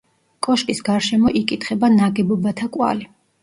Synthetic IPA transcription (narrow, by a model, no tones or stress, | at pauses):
kʼɔʃkʼisɡaɾʃɛmɔʔikʼit̪ʰχɛbanaɡɛbɔbat̪ʰakʼwa̰li